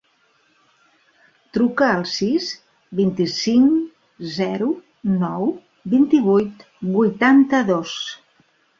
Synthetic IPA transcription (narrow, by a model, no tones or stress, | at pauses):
t̪ɾukəːlˠsiz | bint̪isiŋ | zɛɾu | nɔw | bint̪iβujt̪ | bujt̪ant̪əðos